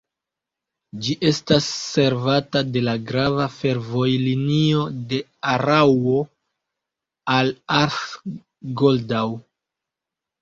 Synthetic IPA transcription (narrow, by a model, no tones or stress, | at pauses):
d͡ʒiʔe̞stasːe̞ɾvatade̞laɡɾavafe̞ɾvo̞jlinio̞de̞aɾawo̞ | alaɾf | ɡoldaw